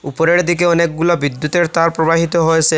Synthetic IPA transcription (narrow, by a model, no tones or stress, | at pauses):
upoɾeɾd̪ik̬eɔnek̚ɡulobid̪ːut̪eɾt̪aɾpɾobaɦit̪oɦojesʰe